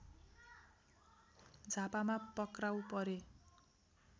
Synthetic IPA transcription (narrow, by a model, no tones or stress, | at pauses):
d͡zʱapamapʌkrawpʌɾe